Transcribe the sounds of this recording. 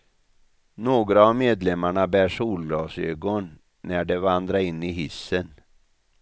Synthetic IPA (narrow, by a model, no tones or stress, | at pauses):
noːɡɾaːvmeːd̪lɛmːaɳabæːʂuːlɡɑːsøːɡɔnː | æɖɛvand̪ɾaɾɪnːɪɦɪsːən